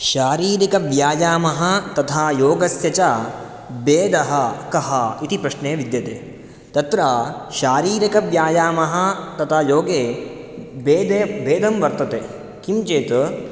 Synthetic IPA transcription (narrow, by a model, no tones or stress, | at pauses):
ʃaːɾiːɾikɐʋjaːjaːmɐɦɐ̆t̪ɐt̪ʰaːjoːɡɐsjɐt͡ʃa | beːd̪ɐɦɐ̆kɐɦɐit̪ipɾɐʃneːʋid̪jɐt̪eː | t̪ɐt̪ɾaːʃaːɾiːɾikɐʋjaːjaːmɐɦɐ̆t̪ɐt̪ʰaːjoːɡeː | beːd̪eːbeːd̪ʱɐmʋɐɾt̪ɐt̪eː | kimt͡ʃeːt̪